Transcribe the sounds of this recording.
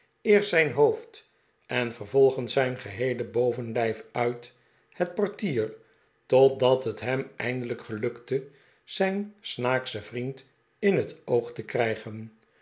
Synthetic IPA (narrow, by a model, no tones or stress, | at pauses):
ɪːɹtsɛjnɦoʊft | ʔɛnvərvɔlˠχənsɛjnχəɦejləbowvənlɛjfœɥt | hət̚pɔɹtiːr | tɔt̚dɑtɦətɦɛmɛ̰jndələkχəlɵktə | z̥ɛjnsnaːksəvrint | ɪnɦətowχtəkrɛjχən